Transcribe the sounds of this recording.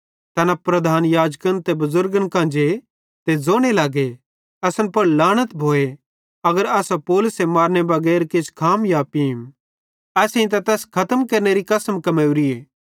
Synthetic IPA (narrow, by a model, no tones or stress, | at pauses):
t̪ɐnapɾɐd̪ʱaːnjaːd͡ʒkənt̪ebɐzʊɾɡənkãːnd͡ʒe | t̪ed͡zoːɽ̃elaːɡe | ɐsənpɐɾlaːɽ̃ət̪bʱoːe | ɐɡəɾɐːsapoːlʊsemaːɾnebɐɡɛːɾkɪt͡ʃkʰaːmjaːpim | ɛːsĩt̪̬ɐt̪ɛːskʰɐt̪əmkɐɾneɾikɐsəmkɐmeːʊɾieː